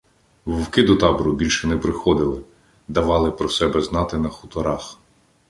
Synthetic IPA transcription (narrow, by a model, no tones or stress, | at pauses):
ʋɔwkɪd̪ɔt̪ɑbɔɾʊbʲilʲʃɛnɛpɾɪxɔd̪ɪlˠɪ | d̪ɐʋɑlˠɪpɾɔsɛbɛznɑt̪ɪnɐxʊ̥t̪ɔɾɑx